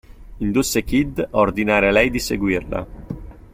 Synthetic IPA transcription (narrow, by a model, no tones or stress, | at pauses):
ind̪usːekid̪ord̪inaːɾelɛjd̪iseɡwirla̰